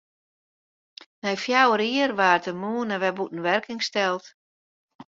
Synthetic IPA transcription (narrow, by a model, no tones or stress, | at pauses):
nɛjfjawəɾiərʋaːrtəmuːnəʋɛbutn̩ʋɛrkɪŋstɛlˠt